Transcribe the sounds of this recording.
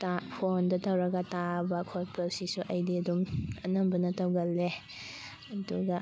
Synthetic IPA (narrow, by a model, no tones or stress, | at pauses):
tapʰondɐtɐwɾɐɡɐtabɐkʰoɾpɐlsisuʔɐjdiɐdumɐnɐmbɐnɐtɐwɡɐlːe | ɐduɡɐ